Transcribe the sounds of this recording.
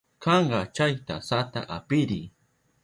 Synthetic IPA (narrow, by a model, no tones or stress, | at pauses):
kɑɴɢɑt͡ʃajt̪a̰sat̪a̰ʔapɪɾi